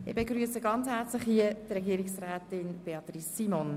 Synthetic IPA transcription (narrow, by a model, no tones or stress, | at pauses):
ɪbeɡɾyəsəɡɑnt͡shɛɾt͡slɪχhiət̪rɛɡiːəɾɪksrɛːtɪnb̥eɑt̪risːimɔn